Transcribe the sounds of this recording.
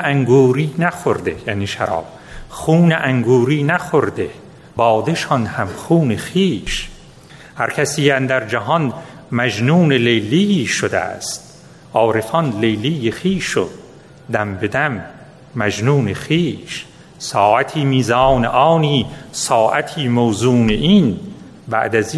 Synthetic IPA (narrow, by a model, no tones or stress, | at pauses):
æŋɡuːɾiːnæxoɾd̪ejæ̰niːʃæ̰ɾɑ̰ːb̥̚ | χuːneʔæŋɡuːɾiːnæxoɾd̪e | bɒːd̪eʃɒnhæmχuːnexiːʃ | hæɾkʰæsiːænd̪æɾd͡ʒæɦɒn | mæd͡ʒnuːnelejliiːʃod̪æ̰st̪ | ʔɒːɾefɒnlejliːjexiːʃo̰d̪̚ | d̪æmbe̞d̪æmː | æd͡ʒnuːneχiːʃ | sɒːʔæt̪ʰiːmiːzɑːneʔɑːniːsɒːʔæt̪ʰiːmowzuːneʔiːn | bæ̰ʔd̪æz